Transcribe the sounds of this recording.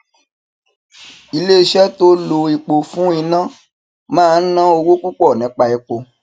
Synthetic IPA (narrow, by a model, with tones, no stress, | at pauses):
i˧le˦˧ʃɛ˦to˧˦lo˨i˨k͡po˨fũ˦i˧nã˦ | mãː˦˨n̩˦nã˦o˧wu˦k͡pu˦k͡pɔ˦˨nɛ̃˨˦k͡pa˧e˨˦k͡po˧